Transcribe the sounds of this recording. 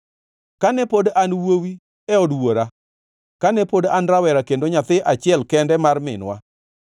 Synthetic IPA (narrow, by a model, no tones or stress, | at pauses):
kanɛpodanwowi | ɛɔdwoɾa | kanɛpodanɾawɛɾakendoɲat̪ɪʔat͡ʃɪɛlkɛndɛmarmɪ̰nwa̰